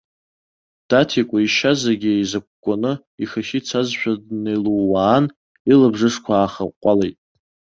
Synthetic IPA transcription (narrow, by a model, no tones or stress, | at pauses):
d̥atʰikʷʼaiʃazaɡʲɪejzak̚ʷkʷʼːanɨ | iχaʃit͡sʰazʃʷᶣʰadnejluːaːn | ilabʐɨʂkʷʰaːχa̰qʷʼalejtʼ